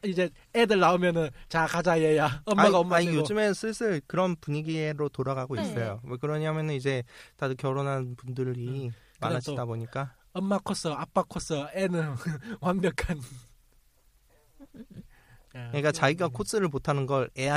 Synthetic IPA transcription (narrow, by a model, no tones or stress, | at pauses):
id͡ʑe̞ | edɯɭnaomjʌnɯnt͡ɕakad͡ʑajejaʌmaaaʌmaɲijod͡ʑɯmensʰɯsʰɯɭkɯɾʌnpuɲiɡieɾotoɾaɡaɡois͈ʌjowekɯɾʌɲaɦamjʌnɯnid͡ʑe̞tadokjʌɾonɦanpundɯɾi | manaɕidaboɲik͈a | ʌmːakʰos͈ʌap͈akʰos͈ʌenɯnwanbjʌkʰan | ɯɲik͈at͡ɕaɡiɡakʰos͈ɯɾɯɭmotʰanɯnɡʌɾea